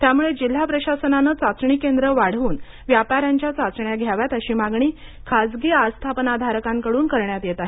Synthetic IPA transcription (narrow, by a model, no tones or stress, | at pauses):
t̪jamuɭed͡ʑil̤ːapɾəɕasənanət͡sat͡sɳikend̪ɾəʋaɽ̤uːn | ʋjapaɾjaɲt͡ɕjat͡sat͡sɳjaɡʱjaʋjat̪əɕiːmaɡɳiːkʰad͡zɡiːast̪ʰapnad̪ʱaɾəkaŋkəɽuːnkəɾɳjat̪jet̪aɦi